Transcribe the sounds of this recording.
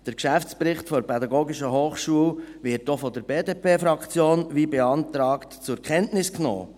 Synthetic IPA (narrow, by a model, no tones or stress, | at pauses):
d̥əɾkʃæft͡spɾɪχtfɔɾpʰɛdɑɡoːɡɪʃəɦoːχʃuəlʋɪɾtːofɔd̥əɾbeːdeːpeːfɾɑkt͡sjoːnʋiːbɛɑntɾɑːktt͡sʊɾkχɛntnɪsknɔ̰ː